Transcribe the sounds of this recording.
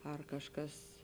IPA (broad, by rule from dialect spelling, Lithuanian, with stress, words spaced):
ɐr kɐʃˈkɐs